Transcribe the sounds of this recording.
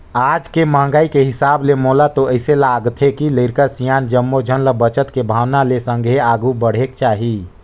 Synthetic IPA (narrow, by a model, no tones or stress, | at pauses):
ad͡ʒkemãːŋɡaikeɦisablemolat̪oəɪselaɡt̪ʰɦekiləɾkəsijand͡ʒəmːod͡ʒʱənləbət͡ʃət̪kebʱawnalesə̃ŋɡʱeaɡubəɽ̤ekt͡ʃaːɦi